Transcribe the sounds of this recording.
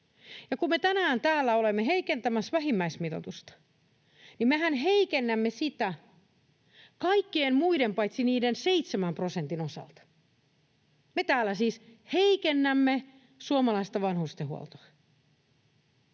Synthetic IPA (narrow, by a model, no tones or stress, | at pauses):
jɑkumme̞t̪ænæːnt̪æːlːæolemːeɦeikent̪æmæsʋæɦimːæismit̪o̰t̪ust̪ɑ̥ | nimeɦænɦeikenːæmːesit̪æ | kɑikːienmuidempɑjt̪siniːdenseit̪semæmpro̞sent̪ino̞sɑ̰lt̪ɑ̥ | met̪æːlːæsiːsheikenːæmːe | suomɑlɑist̪ɑʋɑnhurst̪eɦuo̰lt̪oɑ